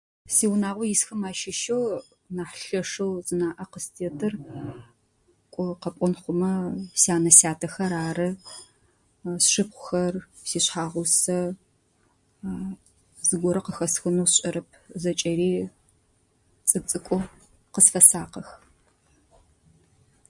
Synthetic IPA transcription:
siːwʊnaːʁʷɔjɪsxɐmaːʃɪʃɐw | naːħɬɐʂɐwzɨnaːʔɐqəstʰeːtʰɨr | kʷʼʊqɐpʷʼɔnχʷʊmɐsaːnɐsaːtʰɐxɐɾaːɾɨ | sʂɨp̚qʷʊxɐr | siːɕħaːʁʷʊsɐ | zɨɡʷɔɾɐqəxɐsxɨnoːsɕʼɐɾɐp̚ʰzɐt͡ʃʼɐɾiː | t͡sʼɨt͡sʼɨkʷʼʊ | qəsfɐsaːqɐx

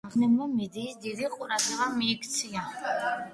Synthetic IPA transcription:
χnɛmamɛd̪iːsd̪id̪iqʼuɾat̪ɛʁamiːkʰt̪sʰia

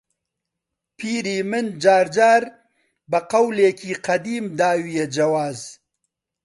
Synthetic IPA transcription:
pʰiɾimɪnd͡ʒaːɾd͡ʒaːɾ | bɐqawleːkʰiqad̪iːmd̪aːwijed͡ʒawaːz

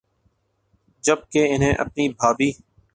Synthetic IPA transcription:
d͡ʒəb̚keːɪnɦẽːʔə̰p̚niːbʱaːbiː

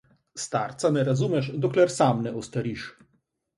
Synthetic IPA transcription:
st̪aɾt̪sanɛɾazumɛʃd̪ɔklɛɾsamnɛɔst̪aɾiʃ

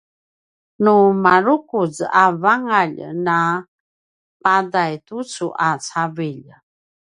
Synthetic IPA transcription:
numaɾukuzavaŋaʎna | padajtut͡suʔat͡saviʎ

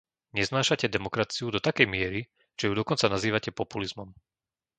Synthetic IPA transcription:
ɲɛznaːʃacɛd̪ɛmɔkɾat͡siud̪ɔt̪akɛjmɪɛɾi | ʒ̥ɛjud̪ɔkɔnt͡sanaziːʋacɛpɔpulizmɔm

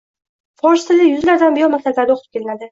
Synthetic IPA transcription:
fɒɾʃt̪ɪzɪjʊzlaɾd̪anbɪjɒɾmasallːaɾd̪aoq̪ʰɾɪp̚kʰʲelɪnad̪ɪ

